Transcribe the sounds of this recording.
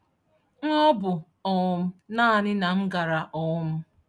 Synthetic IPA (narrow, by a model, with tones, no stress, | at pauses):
ŋ̩˦ɔ˦bʊ˨ | ɔ˨ʊ˦m̩˦naː˦˨nɪ˦na˨m̩˦ɡa˨ɾa˨ʔɔ˨ʊ˦m̩˦